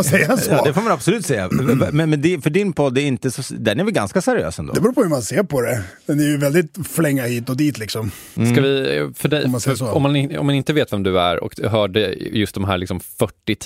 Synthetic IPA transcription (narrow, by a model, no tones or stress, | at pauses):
sɛjːaɛsjɑːd̪ɛfoːmanabsɔlʉ̟ːt̪sɛjːa̰mɛnmɛnd̪ɛfœɖɪnpʰɔd̪ːɛɾɪnt̪əsɔd̪ɛnæɾvɪɡanskasɛɾɪø̰ːsɛnd̪o̰dɛbɾuːpʰɔhʉmanseːɾpʰɔd̪ɛ | ɛnɪjvɛld̪ɪt̪flɛŋːahiːt̪ɔd̪iːt̪lɪksɔm | skavɪfœɖɛjsɔmːanɔ̰mːanɪnt̪əveːt̪vɛmd̪ɵæ̰ɾɔ̰kɦœːɖəjɵst̪̚d̪ɔmɦæːɾɭɪksɔmfœʈːɪ